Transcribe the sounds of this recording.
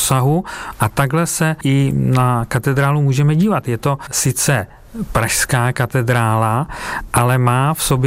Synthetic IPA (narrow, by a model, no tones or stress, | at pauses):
saɦuʔat̪aɡlɛsɛʔɪnakat̪ɛd̪ɾaːlumuːʒɛmɛɟiːvat̪jɛt̪o̞sɪt͡sɛ | pɾaʃskaːkat̪ɛd̪ɾaːlaʔalɛmaːfsob